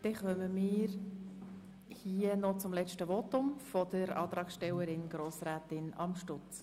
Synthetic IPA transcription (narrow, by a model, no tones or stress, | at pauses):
d̥ɛχœməmiːɾ | hiənɔt͡sʊmlɛt͡ʃtəʋotʊmfɔd̥əɾɑ̰ːt̪ɾɑːksʃtɛwəɾɪnɡ̥ɾoːsɾæːtɪnɑ̰mʃtʊt͡s